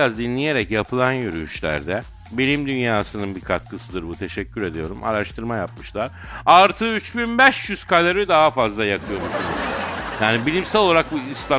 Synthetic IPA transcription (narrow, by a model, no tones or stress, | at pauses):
azd̪inlʲije̞ɾɛcjapʰɯlˠanjyɾy̰jyʃlʲæ̰ɾd̪ɛ | benʲimd̪ynjaːsɯnɯnbikʰat̪̚kʰɯsɯd̪ɯɾbut̪ʰe̞ʃɛcʰːyɾe̞d̪ijo̞ɾumʔa̰ɾaʃt̪ʰɯɾmajap̚mɯʃlˠaɾ | aɾt̪ʰɯːyt͡ʃbinbɛʃjyz̥kalʲaɾyd̪aɦafazlˠajakʰɯjo̞muʃunujaːnibilʲimsælʲolˠaɾak̚buist̪ʰa